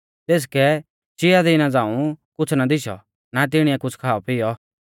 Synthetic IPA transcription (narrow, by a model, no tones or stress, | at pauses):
t̪eːs̬kɛ | t͡ʃɪad̪ɪnãd͡zãːũkʊt͡sʰnad̪ɪʃɔ̰ | nat̪̬ɪɽ̃ɪɛkʊt͡sʰkʰaːɔpɪjɔ